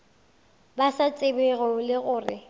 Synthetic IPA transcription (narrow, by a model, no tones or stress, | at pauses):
basat͡sʼɪbeɣɔlɪɣʊːrɪ